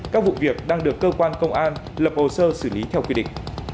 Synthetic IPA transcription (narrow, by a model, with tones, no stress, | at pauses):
kaː˦˥k̚vṵ˧˨vi˨˩ək̚ɗaː˧ŋɗɨ˨˩əkːəː˧kwaː˧nkə˧wŋ͡mʔaː˧n | lə˨˩p̚ʔo˨˩səː˧sɨ˧˩li˨˦t̪ʰɛ˧wkwi˧ɗḭ˧˨ŋ̟